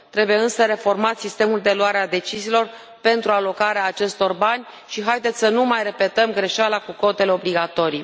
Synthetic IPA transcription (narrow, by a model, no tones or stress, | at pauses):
tt̪ɾe̞bujeɨnsəɾe̞fo̞rmat̪sist̪e̞muld̪e̞lwaɾead̪e̞t͡ʃiziːlo̞r | pe̞nt̪ɾualo̞kaɾeaːt͡ʃe̞st̪o̞rbanʲ | ʃiɦajd̪et̪sʲsənumajre̞pe̞t̪əmɡɾe̞ʃalakuko̞t̪e̞le̞o̞bliɡat̪o̞ɾij